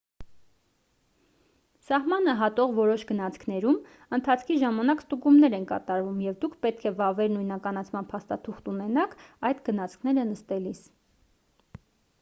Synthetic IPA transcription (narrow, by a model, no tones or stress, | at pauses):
sɑhmɑnəɦɑt̪ɔʁvɔɾɔʃɡənɑt͡sʰkʰnɛɾum | ənt̪ʰɑt͡sʰkʰiʒɑmɑnɑkst̪uɡumnɛɾɛnkɑ̰t̪ɑɾvumjɛvd̪ukʰpɛt̪̚kʰɛvɑvɛɾnujnɑkɑnɑt͡sʰmɑnpʰɑst̪ɑt̪ʰuχt̪unɛnɑkʰɑjd̪ɡənɑt͡sʰkʰnɛɾənəst̪ɛlis